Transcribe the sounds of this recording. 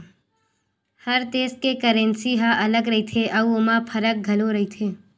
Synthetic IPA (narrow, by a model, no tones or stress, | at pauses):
hɐɾt̪eːskekəɾə̃nsiɦãʔɐləɡɾɐɦit̪ʰeʔɐuomapʰɐɾək̚ɡʱɐloɾɐɦit̪ʰeː